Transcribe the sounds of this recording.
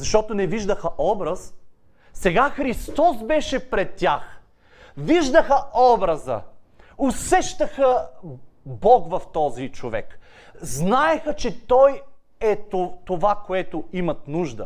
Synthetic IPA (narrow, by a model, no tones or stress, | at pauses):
zɐʃt̪ɔt̪onɛviʒd̪əxɐʔɔbɾɐs | sɛɡaxɾist̪ɔsbɛʃɛpɾɛt̪ʲːax | viʒd̪əxɐʔɔbɾɐzə̰osɛʃt̪əxə | bɔkvɐft̪ɔzit͡ʃovɛ̰k | znaɛxət͡ʃɛt̪ɔj | ɛtt̪ovakoɛt̪oimɐt̪nuʒd̪ə̰